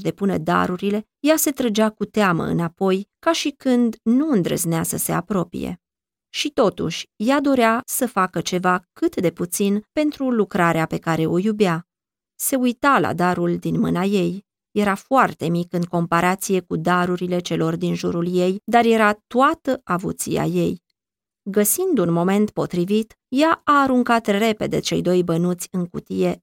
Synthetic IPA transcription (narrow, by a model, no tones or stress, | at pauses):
d̪e̞punḛd̪a̰ɾuɾile̞ | jase̞t̪ɾəd͡ʒakut̪eamə̰ɨ̰napo̞jkaʃikɨnd̪nuɨnd̪ɾə̰zneasəse̞a̰pɾo̞pḭjḛ | ʃit̪o̞t̪ṵʃʲjad̪o̞ɾeasəfakət͡ʃe̞vakɨt̪d̪e̞put̪sinpe̞nt̪ɾulukɾaɾeape̞kaɾe̞ʔo̞jubea | se̞ujt̪ala̰d̪aɾuld̪inmɨnaje̞j | je̞ɾafoart̪e̞mikɨŋko̞mpaɾat̪sije̞kud̪aɾuɾile̞t͡ʃe̞lo̞rd̪inʒuɾulje̞jd̪arje̞ɾat̪uat̪əʔavṵt̪sḭja̰je̞j | ɡəsind̪unmo̞me̞nt̪po̞̰t̪ɾivit̪ | jaaːɾuŋkat̪re̞pe̞̰d̪e̞̰t͡ʃe̞̰jd̪o̞jbənut̪sʲɨŋkṵt̪ije̞